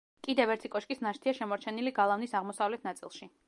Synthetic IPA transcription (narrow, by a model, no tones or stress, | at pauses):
kʼid̪ɛvɛɾt̪ʰikʼɔʃkʼisnaʃt̪ʰiaʃɛmɔɾt͡ʃʰɛniliɡalˠavnisaʁmɔsavlɛt̪ʰnat̪sʼḭlˠʃi